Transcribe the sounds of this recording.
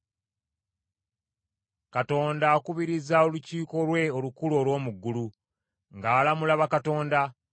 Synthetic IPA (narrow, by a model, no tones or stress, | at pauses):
kato̞ːndaːkuβiɾizao̞luciːko̞lwe̞olukulo̞ːlwo̞ːmuɡːulu | ŋɡaːlamulaβakato̞ːnda